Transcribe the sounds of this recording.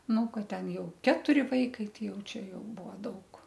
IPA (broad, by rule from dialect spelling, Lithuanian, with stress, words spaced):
ˈnʊ ˈkɐt ˈtʲɛn ˈjɛʊ ˈkʲæːtʊrʲɪ ˈʋɐɪkɐɪ ˈtɐɪ ˈjɛʊ ˈt͡ʃʲɛ ˈjɛʊ ˈbuɔ ˈdɐʊk